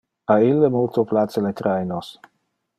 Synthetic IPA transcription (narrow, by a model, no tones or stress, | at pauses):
ailːemult̪oplatselet̪ɾajnos